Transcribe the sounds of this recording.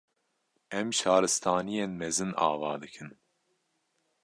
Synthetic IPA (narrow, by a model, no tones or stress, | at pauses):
ɛmʃɑːɾɨst̪ʰɑːnijeːnmɛzɨnɑ̰ːvɑ̰ːd̪ɨkʰɨn